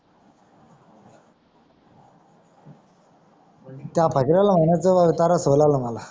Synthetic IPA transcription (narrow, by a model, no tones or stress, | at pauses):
t̪japʰakɾalam̤əɳjat͡səʋaʋit̪aɾasəlaləmala